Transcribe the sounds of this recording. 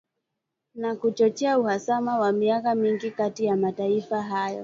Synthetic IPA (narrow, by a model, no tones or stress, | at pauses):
nakut͡ʃɔt͡ʃɛauhasamawamiakamiŋɡikatijamataifaɦajɔ̰